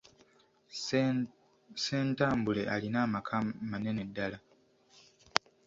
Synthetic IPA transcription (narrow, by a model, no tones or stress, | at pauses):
seːntaːmbule̞ʔalinaːmakʰamane̞ne̞dːala